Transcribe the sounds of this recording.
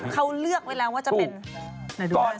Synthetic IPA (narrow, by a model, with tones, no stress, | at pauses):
kʰa˥˩wlɯ˥˩ək̚weː˧laː˧waː˥˩t͡ɕa˨pe˧nna˧˩d